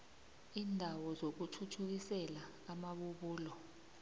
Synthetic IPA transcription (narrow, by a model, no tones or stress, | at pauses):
iːndʱawɔzok̬utʰutʰuk̬isɛlaː | maɓuɓuːlɔ